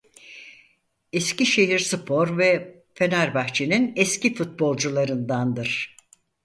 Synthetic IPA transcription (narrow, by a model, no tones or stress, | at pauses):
ɛsciʃe̞ɦiɾsɯpʰo̞ɾvɛ | fe̞naɾbaxt͡ʃʰeninɛscifut̪̚bo̞lˠd͡ʒulˠaɾɯnd̪and̪ɯɾ̥